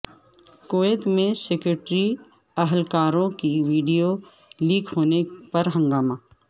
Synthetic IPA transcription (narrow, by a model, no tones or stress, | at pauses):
koːeːt̪mẽsekɾeʈɾi | ɐɦəlkaːɾõkiʋiːɖijo | liːkʰɦoːnepɐɾɦɐ̃ŋɡaːmaː